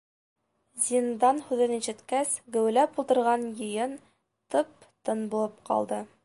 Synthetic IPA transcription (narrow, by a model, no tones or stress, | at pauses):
zʲind̪ɑnhʉðɘniʃɘ̆t̪kæsɡɘ̆wɘ̆læpulˠd̪ɤ̆ɾʁɑnjɤ̆jɤn | t̪ɤp̚ | t̪ɤnbulˠɤpqɑ̰lˠd̪ɤ